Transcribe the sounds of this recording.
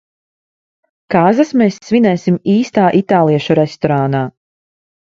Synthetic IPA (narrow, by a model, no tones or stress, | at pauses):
kaːzasmeːsːvinɛːsimiːst̪aːʔit̪aːlˠiɛʃuɾɛst̪ɔɾaːnaː